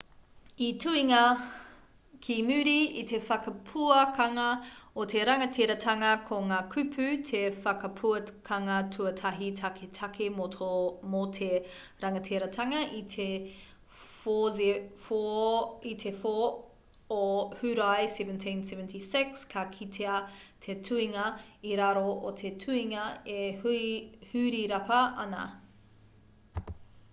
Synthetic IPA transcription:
itʰuiŋɐ | kʰimʉɾiitefɐkɐpʰuɐkɐŋɐotʰeɾɐŋɐtʰeɾɐtʰɐŋɐkʰoŋaːkʰʉpʰʉtʰefɐkɐpʰuɐkʰɐŋɐtʰuɐtʰɐɦitʰɐkʰetʰɐkʰemotʰomotʰe | ɾɐŋɐtʰeɾɐtʰɐŋɐʔitʰe | fozefoitʰefo | ohʉɾajsɛvəntʰĩnsɛvəntʰisɪkskʰɐkʰitʰeɐtʰetʰuiŋɐiɾaɾoʔot̪ʰetʰuiŋɐehhʉɾiɾɐpɐɐnɐ̰

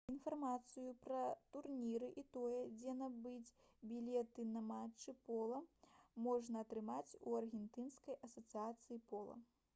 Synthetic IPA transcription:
infarmat̪sɨjupɾɐt̪urnʲiɾɨʔit̪ɔjɛd͡zʲɛnɐbɨt͡sʲbʲilʲɛt̪ɨnɐmat͡ʂːɨpɔlˠɐmɔʐnɐːt̪ɾɨmat͡sʲuɐrɣʲɛnt̪ɨnskɐjʔɐsɐt̪sɨat̪sɨjipɔlˠɐ̰

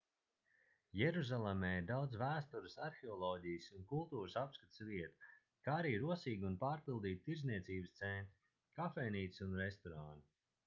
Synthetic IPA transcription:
jɛɾuzalˠemɛːiɾd̪awd̪z̬væːst̪uɾɨsaɾxʲeɔlˠɔːɟijsunkulˠt̪uːɾɨsapskat̪sviɛt̪ḁ | kaːaɾiːɾuɔsiːɡʲunpaːɾpilˠd̪iːt̪̚t̪iɾzniɛsiːbɨst̪sɛnt̪ɾi | kafɛniːt̪sunɾɛst̪ɔɾaːnt̪i

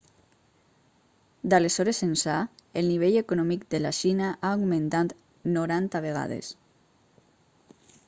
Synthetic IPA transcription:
d̪alesɔɾesensaelˠniβ̞eʎekunɔmik̚d̪elaʃinaʔaoɣmẽnt̪at̪ | noɾant̪aβeɣ̞a̰ð̞ḛs

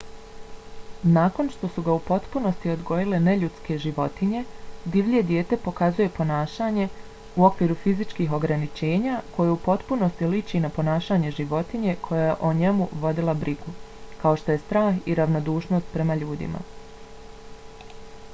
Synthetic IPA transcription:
naːko̞nʃt̪o̞suɡaupo̞t̪puno̞st̪io̞d̪ɡo̞jile̞ne̞ʎut̪ske̞ʒiʋo̞t̪iɲe̞d̪iʋʎʲe̞d̪jeːt̪e̞po̞kazuje̞po̞naːʃaːɲe̞ | uo̞kʋiːɾufizit͡ʃkiːɦo̞ɡɾanit͡ʃe̞ːɲakʰo̞jeupo̞t̪puno̞st̪ilit͡ʃinapo̞naːʃaːɲe̞ʒiʋo̞t̪iɲe̞kʰo̞jajeʔoɲe̞muʋo̞d̪ilˠabɾʔiɡukao̞ʃt̪o̞je̞st̪ɾaːxiɾaʋno̞d̪uːʃno̞st̪̚pɾe̞maʎuːd̪ḭma̰

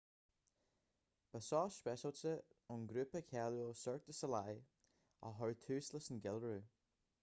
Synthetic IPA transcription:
b̥əsɔːspɛʃəlt͡səʊnɡɾʉpəkʰɛljosœɹk̚d̪əsəlaj | ɔ̰ɦɔɹt̪ʰʉːsləsənɡɛlɹuː

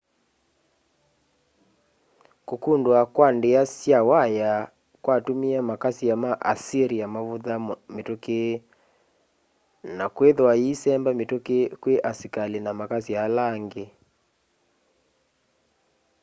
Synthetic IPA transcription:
kukundwakwandeasjawaja | kwatumiamakasijamaʔasiɾijamavuðametoke | nakweðwaisɛmbametokekweʔasikalinamakasijalaŋɡe

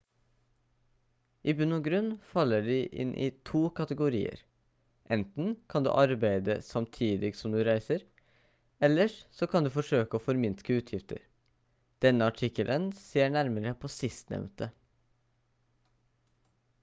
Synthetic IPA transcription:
ʔiːbʉnʊɡɾʉnfɑlːəɖiːʔɪ̰nʔḭːt̪ʰuːkʰɑt̪əɡʊɾḭːə̰ɾ | ʔɛnt̪n̩kʰɑnd̪ʉ̰ːʔɑɾbæɪd̪ə̰sɑmt̪ʰiːd̪ɪɡsɔmd̪ʉːɾæɪsəɾ | ɛlːəʂsɔkʰɑnd̪ʉːfɔʂøːkəoːfɔɾmɪnskəʉːt̪ʰjɪft̪ə̰ɾ | d̪̥ɛnːəɑʈʰɪkəlʔənseːɳæɾməɾəpʰoːsɪst̪nɛ̰ʋnt̪ə

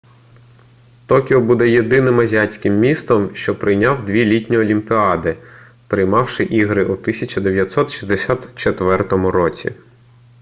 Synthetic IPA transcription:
t̪ɔkʲɪɔbud̪ɛjed̪ɪnɪmɐzʲiɑt͡sʲkɪmːʲist̪ɔmʃt͡ʃɔpɾɪjnʲɑwd̪ʲʋʲilʲitʲnʲiɔlʲimpʲɪɑd̪ɪ | pɾɪjmɑwʃɪʔiɦɾɪʔut̪ɪsʲɐt͡ʃɐd̪eʋjɐt̪ʲsɔt̪ʃi̥zd̪esʲat̪t͡ʃet̪ʋɛrt̪ɔmʊɾɔt͡sʲḭ

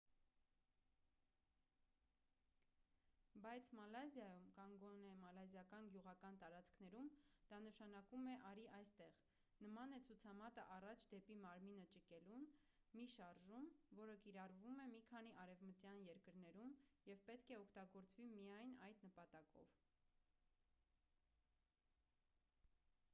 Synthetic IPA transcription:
bɑjt͡sʰmɑlɑzjɑjumkɑnɡɔnɛmɑlɑzjɑkɑnɡjuʁɑkɑnt̪ɑɾɑt͡skʰnɛɾumd̪̥ɑnəʃɑnɑkumɛʔɑɾiʔɑjst̪ɛʁ | nəmɑnɛt͡sʰut͡sʰɑmɑt̪əʔɑrɑt͡ʃʰd̪ɛpimɑɾminət͡ʃəkɛlumː | iʃɑɾʒumvɔɾəkiɾɑrvumɛmikʰɑniʔɑɾɛvmət̪jɑnjɛɾkəɾnɛɾumjɛvpɛt̪kʰɛɔkʰt̪ɑɡɔɾt͡svimijɑjnɑjd̪nəpɑt̪ɑkɔ̰v

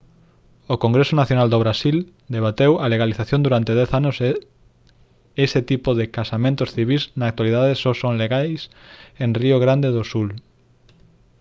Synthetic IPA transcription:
okoŋɡɾesonaθjonald̪oβɾasil | d̪eβ̞at̪ewɐleɣaliθaθjõnd̪uɾant̪eðɛθanos | eset̪ipoðekasamẽnt̪osθiβ̞iznaːk̚t̪waliðaðesosõŋleɣajsẽnrioɣɾand̪eðosul

